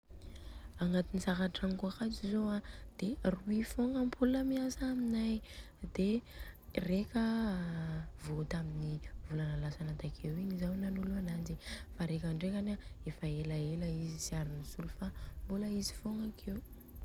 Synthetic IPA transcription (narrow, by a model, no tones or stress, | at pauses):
aŋat̪inisaɦaʈ͡ʂankuakat͡sizoad̪̥eruifoŋəmpʰulnamiasaːminaj | d̪e | rekʲə | vot̪aminivulanəlasanat̪akʰewiɲizawnanuluanad͡ʒifaɾekaɳɖ͡ʐekanaefaelaeləizisiaɾinisulufambuləizi̥foŋakʰew